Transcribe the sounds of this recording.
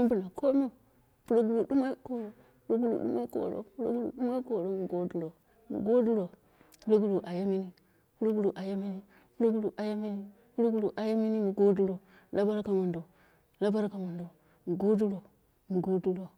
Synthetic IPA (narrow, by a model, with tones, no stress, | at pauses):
u˦mbu˨na˨ko˦m˦e˦˨ | pu˦ɾo˦ɡu˨lu˨du˦ma˦ko˨ɾo˨ | pu˦ɾo˦ɡu˦˨lṵ˨ɗṵ˦ma˦ko̰˨ɾo̰˦pu˦ɾo̰˦ɡu˨lṵ˨ɗu˦ma˦ko˨ɾo˦mu˨ɡo˦du˦lo˨ | mṵ˨ɡo˦du˦lo˨ | pu˦lo˦ɡu˦lu˨ʔa˨ja˦mi˦ni˦ | pu˦lo˦ɡu˦lu˨ʔa˨ja˦mi˦ni˦ | pu˦lo˦ɡu˦lu˨ʔa˨ja˦mi˦ni˦ | pu˦ɾo˦ɡu˦lu˨ʔa˨ja˦mi˦ni˦mu˨ɡo˦du˦lo˨ | la˦ba˦ɾka˨ma˨ndo˨ | la˦ba˦ɾka˨ma˨ndo˨ | mu˨ɡo˦du˦lo˨ | mu˨ɡo˦du˦lo˨